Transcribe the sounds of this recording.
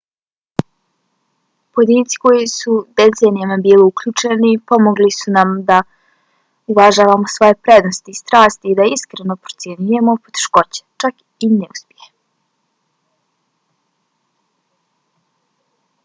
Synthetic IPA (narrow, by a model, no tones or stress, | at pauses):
pojed̪iːnt̪si̥ko̞jisud̪et̪se̞nijamabiːliukʎuːt͡ʃe̞nipo̞mo̞ɡlisunamd̪a | uvaʒaːʋamo̞sʋo̞je̞pɾe̞d̪no̞st̪iːst̪ɾaːst̪iːd̪aiskɾeno̞pɾot̪sjeɲuje̞mo̞pot̪e̥ʃko̞t͡ɕe̥t͡ʃak | ineṵspʲjeje